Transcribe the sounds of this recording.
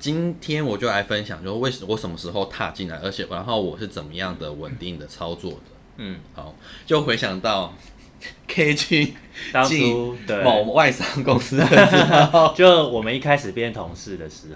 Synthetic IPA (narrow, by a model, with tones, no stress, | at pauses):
t͡ɕi˦˥nt̪ʰjɛ˥nwɔ˨˩t͡ɕjo˥˩ʊa˧ɪfə˦nɕjɑ˨˦ŋt͡ɕjo˥˧˥we˥˩ɪə˨wɔ˧˥ʂə˨˩nmə˦ʂɻ̩˧˥xo˥˧ʊt̪ʰa̰˥˧t͡ɕi˥˩nla̰˧˦ɪə̰˧˥t͡ɕʰjɛ˨˩ʔa̰˧˦nxo˥˩ʊwɔ˨˩ʂɻ̩˥˩t͡sə˨˩nmə˦jɑ˥˩ŋd̪ə˩wə̰˨˩nt̪i˥˩ŋd̪ə˩t͡sʰɑ˥ʊt͡swɔ̰˥˩d̪ə˩ | n̩˥˩ha˨˦ʊt͡ɕjo˥˩ʊxwe˧˥ɪɕjɑ˨˩ŋt̪ɑ˥˩ʊ | kʰe˥ɪt͡ɕy˦nt̪ɑ˥ŋt͡ɕi˥˦t̪we˥˩m˨wa˥˧ɪsɑ˥ŋkʊ˦˥ŋsɹ̩˥ə˧˥t͡ɕo˥˧wɔ˨˩mə˨˦ni˥˩kʰa˥ɪʂɻ̩˨˩pjɛ˥˩nt̪ʰo˧˥ŋʂɻ̩˥˩d̪ə˩ʂɻ̩˧˩